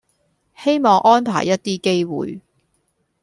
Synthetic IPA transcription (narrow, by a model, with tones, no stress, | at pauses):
he˥jmɔː˨˧ŋʔɔː˥npʰa̰ː˨˩jːɐ˥t̚t̪iː˥ke˥jwṵː˨j